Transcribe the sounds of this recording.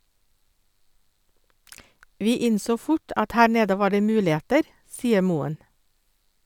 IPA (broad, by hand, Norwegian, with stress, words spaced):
ˈʋiː ˈɪnsoː ˈfʊʈ ˈɑt ˈhæː ˈɳeːdə ˈʋɑː ˈɖeː ˈmʉːlɪˌeːtəɾ ˈsiːə ˈmuːən